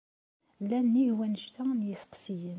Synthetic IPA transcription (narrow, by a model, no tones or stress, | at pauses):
lːænːiwænəʃt̪ænjəsə̥qsijən